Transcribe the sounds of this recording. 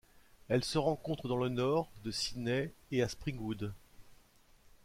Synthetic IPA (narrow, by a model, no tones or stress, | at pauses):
ɛlsəʁɑ̃kɔ̃t̪χəd̪ɑ̃lənɔʁd̪əsinɛeaspχĩɡud̪